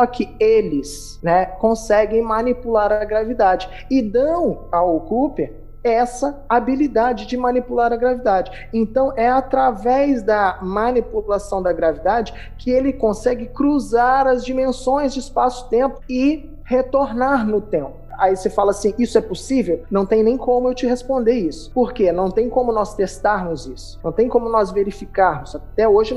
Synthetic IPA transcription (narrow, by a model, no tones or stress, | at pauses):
sɔkʰɪelɪs | nɛkõsɛɡẽj̃mɐnipulaɾɐɡɾavid̪ad͡ʒɪ | ɪd̪ɐ̃w̃awokupe | ɛsɐabilid̪ad͡ʒɪd͡ʒɪmɐ̃nipulaɾɐɡɾavid̪ad͡ʒɪ | ẽnt̪ɐ̃w̃ʔɛat̪ɾavɛzd̪ɐmɐ̃nipulasɐ̃w̃d̪ɐɡɾavid̪ad͡ʒɪ | kʰɪelɪkõsɛɡɪkɾuzaɾɐzd͡ʒimẽsõj̃zd͡ʒɪispasʊ̥t̪ẽmpʊ̥ɪ | het̪oɾnaɾnʊt̪ẽmpʊ | a̰isefalɐasĩisʊɛposivewnɐ̃w̃t̪ẽj̃nẽj̃kõmʊewt͡ʃɪɦespõnd̪eisʊ̥poɾkenɐ̃w̃t̪ẽj̃kõmʊnɔst̪est̪aɾnʊzisʊ̥nɐ̃w̃t̪ẽj̃kõmʊnɔzveɾifikaɾmʊz̥at̪ɛoʒɪ